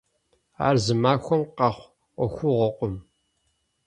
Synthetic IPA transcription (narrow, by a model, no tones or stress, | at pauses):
a̰ːrzɨmaːxʷɔmqɑχʷ | ʔʷɔxʷʊʁɔqʷʼʊm